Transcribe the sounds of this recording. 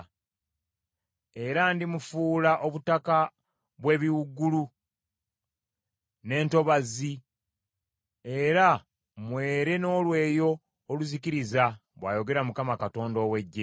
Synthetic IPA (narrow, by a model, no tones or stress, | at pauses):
e̞ɾandimufuːlaʔo̞βutaka | βwe̞ːβiwuɡːulu | ne̞ːnto̞βazi | e̞ɾa | mwe̞ːɾe̞no̞ːlwe̞ːjo̞ː | luzikiɾizaβwaːjo̞ɡe̞ɾamukamakato̞ːndo̞ːwe̞ɟːe